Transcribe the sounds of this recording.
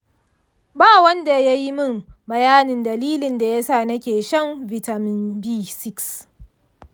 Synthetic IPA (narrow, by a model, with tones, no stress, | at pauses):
baː˦˨wɐ˦nda˨ja˦ji˦mɪ˦˨mbɐ˨jaː˦nɪ˨ndɐ˨liː˦lɪ˨nda˨ja˦saː˦˨nɐ˦kʲeː˨ʃɐ˦mvi˨ta˨mɪ˦nbiː˦˨sɪ˦ks